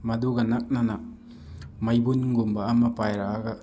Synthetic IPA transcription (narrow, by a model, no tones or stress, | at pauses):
mɐd̪uɡɐnak̚nana | mɐjbunŋɡumbaːmɐpajɾaʔaɡa